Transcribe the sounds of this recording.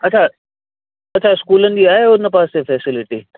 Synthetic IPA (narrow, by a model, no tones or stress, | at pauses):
ɐtːt͡ʃʰa | ɐtːt͡ʃʰaskuːlənd͡ʑiaːeonɐp̬asefɛːsɪlɪʈi